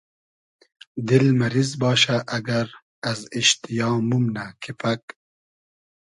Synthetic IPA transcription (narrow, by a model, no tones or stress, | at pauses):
d̪ilmɐɾizbɑːʃaʔɐɡɐɾ | aziʃt̪ijɑːmumnakʰipak